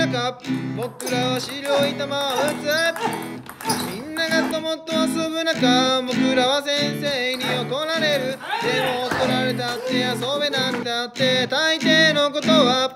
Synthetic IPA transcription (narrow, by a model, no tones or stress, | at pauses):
akabo̞kɯ̟ɾaβaɕiɾʲoit̪amaot͡sɨɾae | mʲĩnːaɡat̪ːomot̪ːomasɨbɯnakabo̞kɯ̟ɾaβasẽ̞ɰ̃se̞ːɲ̟iot̪onaɾe̞ɾɯ̟d̪emokoɾaɾet̪at̪ːe̞aso̞benand̪at̪ːe̞t̪ait̪e̞ːno̞ko̞t̪o̞βa